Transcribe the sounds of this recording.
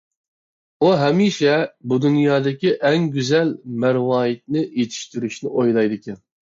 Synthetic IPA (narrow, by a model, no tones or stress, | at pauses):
uɦɛmiʃɛbud̪unjɑːd̪ɪkʲiʔɛŋɡʲyzɛlmæɾwɑːjit̪̚nɪjet̪ʰi̥ʃt̪yɾyʃnɪʔojlˠɑjd̪ɨkʲʰɛn